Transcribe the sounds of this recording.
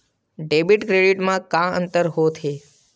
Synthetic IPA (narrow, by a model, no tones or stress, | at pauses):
ɖebiʈkɾeɖiʈmãkãə̰nt̪əɾɦot̪ʰe